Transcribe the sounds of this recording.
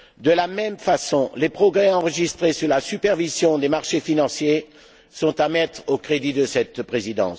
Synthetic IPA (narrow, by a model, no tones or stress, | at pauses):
d̪əlamɛmfasɔ̃lepχɔɡʁɛɑ̃ʁəʒist̪χesyʁlasypɛʁvizjɔ̃d̪emaʁʃefinɑ̃sje | sɔ̃t̪amɛt̪χokχed̪id̪əsɛt̪pχezid̪ɑ̰̃s